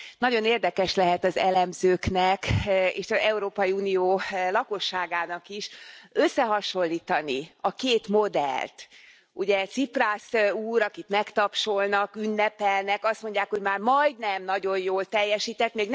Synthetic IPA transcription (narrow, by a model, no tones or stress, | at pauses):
nɒɟo̞neːrd̪ɛkɛʃlɛɦɛt̪ɒzɛlɛmzøːknɛkḛːʃɒzɛuɾoːpɒjiuːnioːlɒko̞ʃːaːɡaːnɒkiʃøsːɛɦɒʃo̞lːiːt̪ɒniɒkeːt̪mo̞d̪ɛ̰lt̪ | uɟɛt̪sipraːsuːɾɒkit̪mɛkt̪ɒpʃo̞lnɒkynːɛpɛlnɛkɒst̪mo̞ɲɟːaːkho̞ɟmaːrmɒjd̪nɛmnɒɟo̞jjoːlt̪ɛjːɛʃiːt̪ɛt̪meːɡn